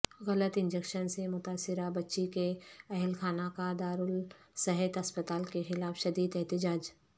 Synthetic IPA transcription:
ɣɐlət̪ɪ̃nd͡ʒekʃənsemʊt̪aːsɪɾabɐtːʃikeɐɦɪlkʰaːnakad̪aːɾʊl | sɛɦɛt̪ɐspət̪aːlkexɪlaːfʃɐd̪iːd̪ɛɦt̪ɪd͡ʒaːd͡ʒ

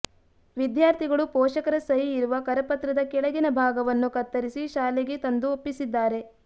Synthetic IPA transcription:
ʋid̪jaːɾt̪ʰiɡɐɭupɔːʃɐkɐɾɐsɐjiːɾuʋɐkɐɾɐpɐt̪ɾɐd̪ɐkɛɭɐɡinɐbʱaːɡɐʋɐnːukɐt̪ːɐɾisiʃaːleɡet̪ɐnd̪uopːisid̪ːaːɾe̞

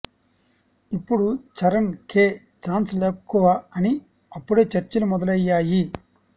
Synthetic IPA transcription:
ipːuɽut͡ʃɐɾɐnkeː | t͡ʃaːnsleːkːuʋaɐni | ɐpːuɽeːt͡ʃɐɾt͡ʃɐlumɔd̪ɐlɐjːaːji

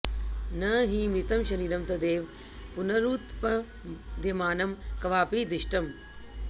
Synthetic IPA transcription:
nɐɦĩːmit̪ɐmʃɐɾiːɾɐmt̪ɐd̪eːʋ | pʊnɐɾuːt̪pɐ | d̪emaːnɐmkɐʋaːpiːd̪ɪʃʈɐm

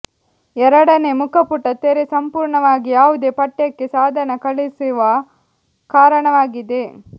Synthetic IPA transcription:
ɛɾɐɽɐnemukɐpuʈːɐt̪eɾesɐmpuːɾɳɐʋaːɡijaːʋud̪e̞ːpɐʈːjɐkːesaːd̪ʱɐnɐkɐɭisiʋɐ | kaːɾɐɳɐʋaːɡid̪e̞

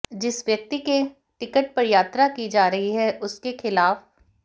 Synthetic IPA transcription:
d͡ʒɪsʋjɐk̚t̪ike | ʈɪkəʈ̚pɐɾjaːt̪ɾakid͡ʒaːɾɐɦiɦɛʔʊskexɪlaːf

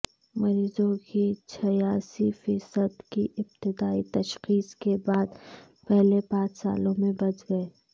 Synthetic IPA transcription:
mɐɾiːzõket͡ʃʰɐjaːsifiːsəd̪kiʔɪb̚t̪ɪd̪aːit̪ɐʃxiːskebaːd̪ | pɛɦlepãːt͡ʃsa̰ːlõmẽbɐt͡ʃɡɐeː

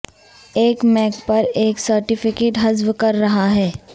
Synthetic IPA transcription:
eːkmɛːkpɐɾeːksɐɾʈɪfɪkeːʈɦɐzʋkɐɾːɐɦaɦɛː

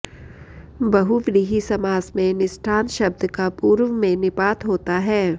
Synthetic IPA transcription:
bɐɦuʋɾiːɦisɐmaːzmẽnɪsʈʰaːnʃɐb̚d̪kapuːɾʋmẽnɪpaːt̪ɦoːt̪aɦɛː

